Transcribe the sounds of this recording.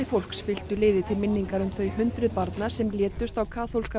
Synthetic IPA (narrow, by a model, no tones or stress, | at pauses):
ɪfowl̥ksfɪl̥t̪ʏlɪːðɪt̪ʰɪlmɪnːiŋkaɾʏmθœɥhʏnt̪ɾʏðpaɾt̪nasɛmljɛːt̪ʏst̪awkʰaːθolska